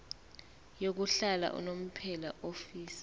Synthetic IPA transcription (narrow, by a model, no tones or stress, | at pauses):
jok̬uɬala̰ʔṵnom̩pʰɛlaʔofiːsi̥